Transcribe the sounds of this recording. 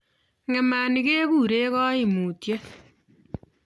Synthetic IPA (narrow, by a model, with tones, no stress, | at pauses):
ŋɛ˨ma˨ni˦ke˦ku˦ɾe˦kɔ˦i˦˨mu˨tje˦